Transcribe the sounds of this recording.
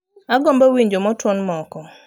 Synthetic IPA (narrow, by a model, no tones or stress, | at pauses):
aɡɔmbɔwiɲd͡ʒomɔtwɔnmɔkɔ